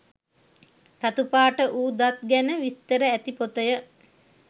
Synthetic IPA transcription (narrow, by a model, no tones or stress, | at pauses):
rat̪upaːʈəʔuːd̪at̪̚ɡænəʋist̪əɾəæt̪ipot̪əjə